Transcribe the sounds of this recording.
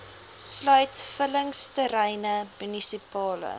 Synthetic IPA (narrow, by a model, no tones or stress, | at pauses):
slœɥtfələŋstəɾɛjnəmynisipɑːlə̰